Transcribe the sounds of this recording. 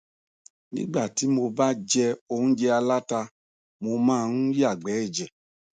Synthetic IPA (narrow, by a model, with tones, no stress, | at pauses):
nḭ̃˦ɡ͡ba˦˨ti˨˦mo˧ba˦d͡ʒɛ˧o˧hũ˦d͡ʒɛ˧a˧la˦ta˧ | mo˧mãː˦˧n̩˦ja˦˨ɡ͡bɛ˨˦ɛ˦˨d͡ʒɛ˨